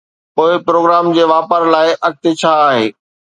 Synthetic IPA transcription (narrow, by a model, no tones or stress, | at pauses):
poːɪpɾoːɡɾaːmd͡ʑeːʋaːpəɾlaːɪʔɐk̚t̪et͡ɕʰaːɦeː